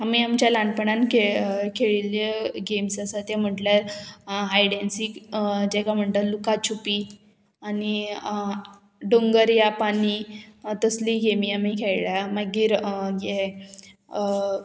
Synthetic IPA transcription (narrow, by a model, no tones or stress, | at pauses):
amiːamt͡ɕjalaɳ̚pəɳankekʰeɭiljəɡemsasat̪jãm̤əʈlja | ɦajɽensikd͡ʑɛkam̤əɳt̪əlukat͡ɕʰupiː | ani | ɖoŋɡəɾjapanit̪əsliːɡemiamikʰeɭɭjamaɡiːɾɡɛ